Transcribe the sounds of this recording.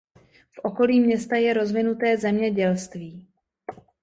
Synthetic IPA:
fʔo̞ko̞liːmɲɛst̪ajɛɾo̞zvɪnut̪ɛːzɛmɲɛɟɛlst̪viː

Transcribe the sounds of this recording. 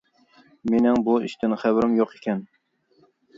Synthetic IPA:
menɪŋbuiʃt̪ʰɪnχæbɪɾɪmjoqʰekʲɛn

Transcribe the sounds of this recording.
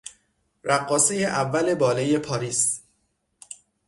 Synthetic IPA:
ɾæɡːɒːsejeʔævːæle̞bɒːlejepʰɒːɾiːs

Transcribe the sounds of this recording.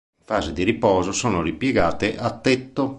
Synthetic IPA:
faːzed̪iɾipɔːzosoːnoripjeɡaːt̪eʔat̪ːɛt̪ːo

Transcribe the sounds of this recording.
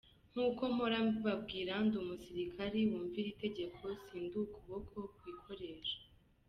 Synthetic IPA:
ŋ̥uːko̞muɾamβab̚ɡiːɾandumusiɾikʰaɾiwuːɱviɾite̞ɟe̞kʰo̞siːndukuβokʰo̞kwikʰo̞ɾe̞ɾḁ

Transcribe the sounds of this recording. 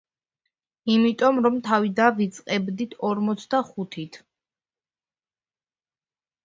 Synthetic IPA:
imit̪ʼɔmɾɔmt̪ʰavid̪avit̪sʼqʼɛbd̪it̪ʰɔɾmɔt̪sʰd̪aχut̪ʰit̪ʰ

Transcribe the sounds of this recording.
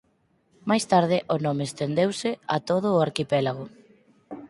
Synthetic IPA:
majst̪aɾð̞ɪʔʊnɔmɪːst̪end̪ewsɪat̪oð̞ʊːaɾkipɛlaɣʊ

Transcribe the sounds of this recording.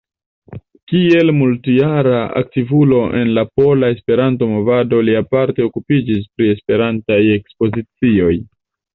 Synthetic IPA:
kie̞lmultjaɾaa̰k̚tivulo̞ʔe̞̰nlapo̞lae̞spe̞ɾanto̞mo̞vado̞liapaɾte̞o̞kupid͡ʒis̬pɾie̞spe̞ɾantaje̞kspo̞zit͡sio̞j

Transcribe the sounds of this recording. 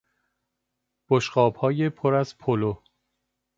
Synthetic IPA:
b̥oʃɢɒːb̥hɒːjepʰoɾæzpʰolo

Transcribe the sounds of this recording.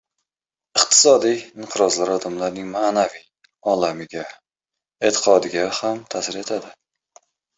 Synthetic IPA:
ɨqt̪ʰɪ̥sɒd̪ijɪmqʰɨɾɒzlaɾɒd̪amlaɾnɪŋmanavij | ɒlamɪɡʲa | et̪ʰɪ̥qʰɒd̪ɪɡʲahamt̪ʰasɪɾe̞t̪ʰad̪ɪ

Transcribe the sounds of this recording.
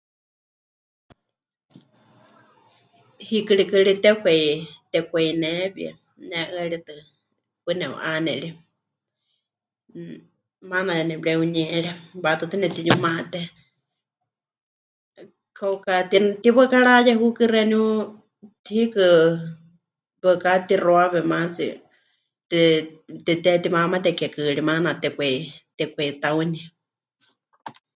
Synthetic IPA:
hikɨɺikɨɺit̪ɛkʷɛit̪ɛkʷɛinɛbia̰ | nɛʔɨaɺit̪ɨ | pɨnɛṵʔanɛ̰ʔɺi | manajanɛbɺɛuɲɛ̃ɺɛbat̪ɨt̪ɨnɛt̪iɲumaʔt̪ɛ | kʰaukat̪int̪iβəkaɺajɛɦukɨrɛniu | t̪ʰikɨ | bɨkat̪iroaβɛmat͡sḭ | t̪t̪it̪ɛt̪imamat̪ɛkɛkɨɺimanat̪ɛkʷɛt̪ɛkʷɛit̪auni

